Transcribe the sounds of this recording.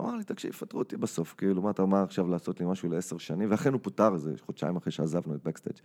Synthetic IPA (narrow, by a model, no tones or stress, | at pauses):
a̰maʁlit̪akʃḭfat̪ʁuot̪ibaso̞fkiiːlumaːt̪amaʁaχʃavlaːso̞t̪limaʃuleeseʁʃanĩmveaχenhuputaʁzeχod̪ʃa̰imaχʁeʃeazavnuet̪̚bakst̪ḛd͡ʒ